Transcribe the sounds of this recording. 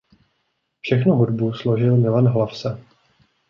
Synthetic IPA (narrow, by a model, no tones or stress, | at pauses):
fʃɛxnuɦudbuslo̞ʒɪlmɪlanɦlafsɛ